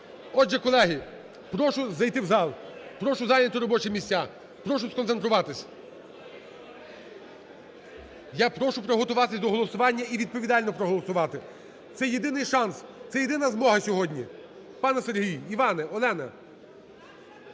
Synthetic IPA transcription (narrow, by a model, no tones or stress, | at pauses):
ɔdʒɛkɔlˠɛɦi | pɾɔʃʊzɐjt̪ɪwzɑlˠpɾɔʃʊzɑjnʲɐt̪ʊɾɔbɔt͡ʃɪmʲisʲtʲːa | pɾɔʃʊskɔnt̪ent̪ɾʊʋɑt̪ɪsʲ | japɾɔʃʊpɾɔɦɔt̪ʊʋɑt̪ɪsʲd̪ɔɦɔlˠɔsʊʋɑnʲːɐiʋʲid̪̚pɔʋʲid̪ɑlʲnɔpɾɔɦɔlˠɔsʊʋɑt̪ɪ | t̪sɛjed̪ɪnɪjʃɑnst̪sɛjed̪ɪnɐzmɔɦɐsʲɔɦɔdʲnʲi | pɑnɛserɦijiʋɑnɛɔlˠɛnɐ